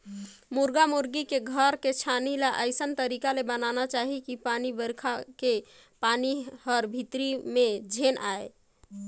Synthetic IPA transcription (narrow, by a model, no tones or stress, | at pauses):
muɾɡamuɾɡikeɡʱəɾket͡ʃʰanilaʔəɪsənt̪əɾikalebənanat͡ʃaɦikipanibəɾkʰake | panihəɾbʱit̪ɾimed͡ʒʱenʔae